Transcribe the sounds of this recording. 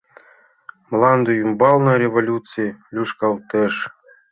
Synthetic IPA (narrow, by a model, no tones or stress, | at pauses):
mlˠɑnd̪ujumbɑlˠnɑɾʲevolʲut͡sɨlʲuʂkɑlˠt̪ɤʂ